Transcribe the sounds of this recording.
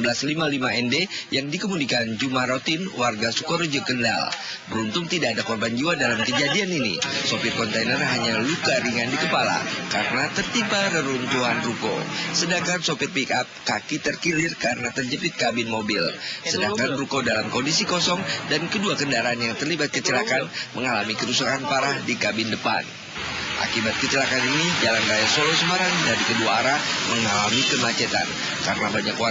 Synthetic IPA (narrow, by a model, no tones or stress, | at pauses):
bəlaslimalimaɛndejaŋdikəmudikand͡ʒumahrot̪inwarɡasukɔɾd͡ʒəkənda̰l | bəɾunt̪ʊŋt̪idaːdakɔrband͡ʒiwadalamkəd͡ʒadianinḭsopɪrkɔnt̪ajnərɦaɲalukaɾiŋandikəpala̰kaɾənat̪ərt̪ipaɾəɾunt̪uɦanruko̰sədaŋkansopɪrpikap̚kakit̪ərkilɪrkaɾənat̪ərd͡ʒəpɪt̪̚kabɪnmobɪlsədaŋkanrukodalamkondisikɔsɔŋdankəduakəndaɾaːnjaŋt̪ərlibat̪̚kət͡ʃəlakanməŋalamikəɾusakanpaɾahdikabɪndəpa̰n | ʔa̰kibat̪̚kət͡ʃəlakaninid͡ʒalanrajasolosoɦaɾandaɾikəduaːɾaməŋalamikəmat͡ʃɛt̪a̰n | kaɾənabaɲakoa